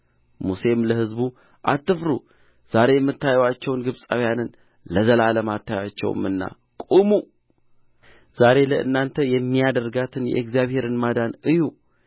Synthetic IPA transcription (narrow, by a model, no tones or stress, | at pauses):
muse̞mləhɨzbu | ʔa̰t̪ːɨfɾu | z̥aɾe̞jɛmːɨt̪ʰːajwat͡ʃːɛwnɡɨβsʼawjanɨn | ləzəlaləmat̪ʰːajat͡ʃːɛ̰w̰mɨnːa̰ | kʼumu | z̥aɾe̞ləʔɨ̰nːant̪ʰəjɛmːijad̪əɾɡat̪ʰɨnjɛ̰ʔekzijaβhe̞ɾɨnmad̪anɨju